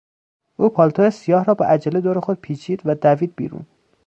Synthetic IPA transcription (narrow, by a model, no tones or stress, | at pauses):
ʔuːpʰɒːlt̪ʰojesijɒːhɾɒːbɒ̰ʔæd͡ʒæled̪oːɾexod̪̥̚pʰiːt͡ʃʰiːd̪væd̪æviːd̪̚bḭːɾṵn